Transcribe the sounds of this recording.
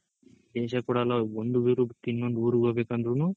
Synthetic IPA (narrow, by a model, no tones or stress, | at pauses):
d̪ɛːʃɐkuːɽaːlaond̪uʋiːɾut̪ːinːond̪uuːɾuɡoːbeːkɐnd̪ɾunu